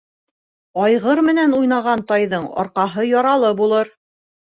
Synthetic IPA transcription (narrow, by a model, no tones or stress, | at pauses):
ɑjʁɤɾmɘ̆nænujnɑʁɑnt̪ɑjðɤɴɒ̰ɾqɑɦɤjɒɾɑlˠɤbulˠɤɾ